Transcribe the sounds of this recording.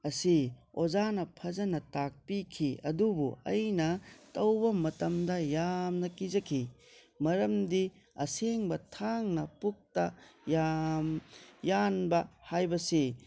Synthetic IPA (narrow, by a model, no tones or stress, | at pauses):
ɐsiozanɐpʰɐzɐnɐtak̚pikʰiɐ̰dubuɐ̰jnɐtɐwbɐmɐtɐmdɐjamnɐkid͡ʒɐkʰi | mɐɾɐmdi | ɐ̰seŋbɐtʰaŋnɐpuk̚tɐjamjanbɐhajbɐsi